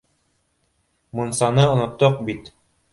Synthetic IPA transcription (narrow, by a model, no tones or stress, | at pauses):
munsɑnɤŏnŏt̪ːoq̚bit̪